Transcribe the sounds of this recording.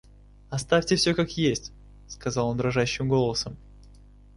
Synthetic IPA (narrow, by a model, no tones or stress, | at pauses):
ɐst̪afʲtʲɪfsʲokakjesʲtʲ | skɐzɑlˠond̪ɾɐʐaɕːɪmɡo̞lˠəsəm